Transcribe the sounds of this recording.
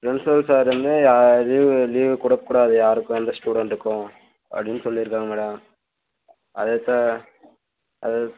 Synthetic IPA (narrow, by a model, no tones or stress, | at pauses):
pɾɛɳsoːlsaːɾɾɯnd̪ɯjaːliːʋliːʋkʊɽɐp̚ːkuːɽaɐðɯjaːɾɯkːʊ̃ɛnd̪ɐsʈuːɽɐɳʈɪɾɯkːʊ̃ | ʔɐ̰pɽɪnːɯsɔlːiɪɾɯkːaːŋɡɐmɛːɽɐm | ɐðɐt̪ːãː | ʔɐ̰ð